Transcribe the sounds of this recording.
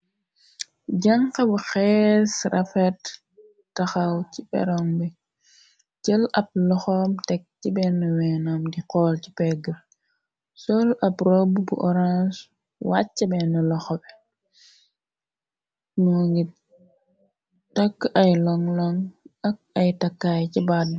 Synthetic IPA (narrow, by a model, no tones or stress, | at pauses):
ɟɐŋkɐbuxɛsrʔɐfɛtː | ɐxɐwcibɛ̰ɾɔŋbɛ | t͡ʃəlɐp̚lɔxɔmtɛk̚cibɛnːuwɛnamdiqɔːlcipɛɡə | sɔlɐprɔbbṵʔɔɾans | wa̰t͡ʃːɐbɛnulɔxɔbɛ | nuŋɡi | tɐkːɐjlɔŋlɔŋɐk̚ɐjtɐkːajcibad̚